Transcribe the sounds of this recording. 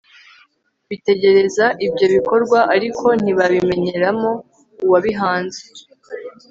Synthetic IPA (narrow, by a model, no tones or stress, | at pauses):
βite̞ɟe̞ɾe̞zaʔibɟo̞βiko̞ɾɡwaʔaɾikʰo̞n̥iβaβime̞ɲe̞ɾamo̞ | uwaβiɦaːnze